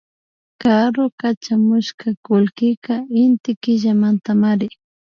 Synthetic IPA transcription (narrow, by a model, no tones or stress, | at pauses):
kaɾokat͡ʃamʊʃkakʊlkɪkaɪnt̪ɪkɪʒamant̪amaɾɪ